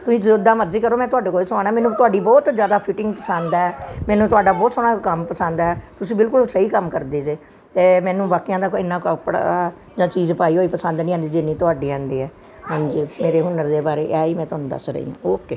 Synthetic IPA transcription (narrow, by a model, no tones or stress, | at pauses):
t̪ʊsĩːd͡ʒoːd̪aːməɾd͡ʒiːkəɾoːmɛ̃ːt̪ʊaːɖeːkoːiːsãːnaɛːmɛːnũt̪ʊaːɖiːbɔːt̪zjaːd̪aːpʰɪʈɪ̃ŋɡpəsãnd̪aːɛːmɛ̃ːnũːt̪ʊaːɖaːbɔːt̪soːɽaːkəmpəsãːnd̪aːɛːt̪ʊsĩːbɪlkʊlsəiːkəmkəɾd̪eːseː | t̪eːmɛ̃ːnũːbaːkːijãːd̪aːkoɪnːãːkəpɽa̰aː | d͡ʒãːt͡ʃiːzpaːiːɦoːiːpəsə̃nd̪nĩːaːnd̪iːd͡ʒɪnːĩːt̪ʊaːɖiːãːnd̪iːɛː | ɦãːɲd͡ʒiːmeːɾeːɦʊnːəɾd̪eːbaːɾeːʔaːiːmɛ̃ːt̪ʊaːnũːd̪ə̰sɾə̰ḭːã̰ːoːkeː